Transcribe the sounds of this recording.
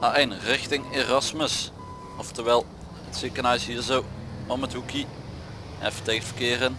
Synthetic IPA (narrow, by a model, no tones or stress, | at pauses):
aɛjnrɪxtɪŋeːrɑsməs | ɔftərʋɛːlˠ | ətsekənaːɪsɦiːɹzowɔmətɦuki | ɛ̰fətejxvəkɪːrən